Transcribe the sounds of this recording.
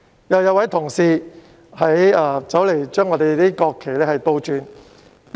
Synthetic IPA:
jɐ˨˧wjɐ˨˧wɐ˨˥jt̪ʰʊ˨˩ŋsiː˨˧ | hɐ˨˥jaː˧t͡sɐ˨˥wle˨˩jt͡ʃœː˥ŋːɔː˨˧t̪e˨jt̪iː˥kɔː˧kʰːe˨˩jlɛː˥hɐ˨jt̪o˧wt͡ʃyː˨˧n

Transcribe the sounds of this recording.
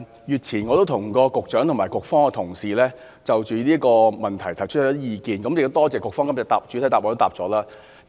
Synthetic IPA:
jyː˨t̚t͡sʰiː˨˩nŋɔ˨˧o˥wt̪ʰʊ˨˩ŋkɔː˧kʊ˨k̚t͡ʃœː˨˥ŋt̪ʰʊ˨˩ŋmaː˨˩jkʊ˨k̚fɔː˥ŋɛ˧t̪ʰʊ˨˩ŋsiː˨lɛː˥ | t͡sɐ˨wt͡ʃyː˨nliː˥kɔː˧mɐ˨˩nt̪ʰɐ˨˩jt̪ʰɐ˨˩jt͡ʃʰɵ˥t̚ʰːɔː˨˥jiː˨˧kiː˨nkɐ˨˥mjɪ˨k̚t̪o˥t̪ɔː˥t͡sɛː˨kʊ˨kfɔː˥ŋkɐ˧˥mt͡sɛ˨˧t̪a̰ː˨˩p̚t͡ʃy˨˥˨jt̪aː˨p̚ɔː˨˧t̪t̪aː˨p̚t͡sɔː˨˥laː˥

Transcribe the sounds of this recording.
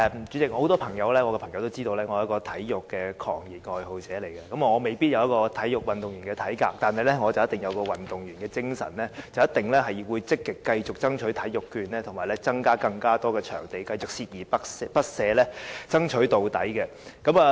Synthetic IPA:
t͡ʃy˨˥t͡sɪ˨k̚ɔ˧ho˨˦wt̪ɔː˥pʰɐ˨˩ŋjɐ˨˧wlɛː˥ŋɔː˨˧kɛː˧pʰɐ˨˩ŋjɐ˨˧wt̪o˥wt͡siː˥t̪o˧wlɛː˥ŋɔː˨˧jkɔː˧t̪ʰɐ˨˥jjʊ˨kkːɛː˧kʰɔ̰ː˨˩ŋji˨t̚ŋɔː˨˧jho˨wt͡sɛː˨˥le˨˩jkɛ˧kɐ˨˥mɐ˨˧ŋɔː˨˧me˨jpiː˥t̚jɐ˨˧wjɐ˥t̚kɔː˧t̪ʰɐ˨˥jjʊ˨k̚wɐ˨˩nt̪ʊ˨ŋjyː˨˩nkɛː˧t̪ʰɐ˨˥jkaː˧k̚t̪aː˨nɦɐ˨jlɛ˥ŋɔː˨˧t͡sɐ˨wjɐ˥t̪ɪ˨˩ŋjɐ˨˧wkɔː˧wɐ˨nt̪ʊ˨˩ŋjyː˨˩nkɛː˧t͡sɪ˥ŋsɐ̰˨˩nlɛː˥t͡sɐ˨wjɐ˥t̪̚ɪ˨ŋlɛ˥ɦɐ˨˩jwuː˨˧jt͡sɪ˥kːɪ˨kːɐ˧jt͡sʊ˨k̚t͡sɐ˥ŋt͡ʃʰɵ˨˥t̪ʰɐ˨˥jʊ˨kːyː˧nlɛː˥t̪ʰʊ˨˩ŋmaː˨˩jlɛ˥t͡sɐ˥ŋkaː˥kɐ˧ŋkaː˥t̪ɔː˥kɛː˧t͡ʃʰœ̰ː˨˩ŋt̪e˨jkɐ˧jt͡sʊ˨k̚siː˧t̚jiː˨˩pɐ˥pɐ˥t̚sɛː˨˧lɛː˥t͡sɐ˥ŋt͡ʃʰɵ˨˥ɥt̪o˨wt̪ɐ˨˥jkɛ˧ | kɐ˨˥maː˨˧

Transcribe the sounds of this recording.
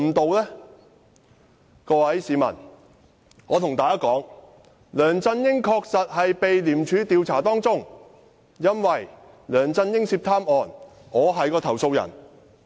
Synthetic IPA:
t̪o˨wlɛː˥ | kɔː˧wɐ˨˥jsiː˨˧mɐ̰˨˩n | ŋɔː˨˧t̪ʰʊ˨˩ŋt̪aː˨jkaː˥kɔː˨˥ŋ | lœː˨˩ŋt͡sɐ˧njɪ˥ŋkʰɔː˧k̚sɐ˨t̚hɐ˨jpe˨jliː˨˩mt͡ʃʰyː˨˧t̪iː˨˧wt͡sʰaː˨˩t̪ɔː˥ŋt͡sʊ˥ŋ | jɐ˥nwɐ˨j | lœː˨˩ŋt͡sɐ˧njɪ˥ŋsiː˧p̚t̪ʰaː˥mʔɔː˨n | ŋɔː˨˧ɦɐ˨jkɔː˧t̪ʰɐ˨˩wso˧wjɐ̰˨˩n

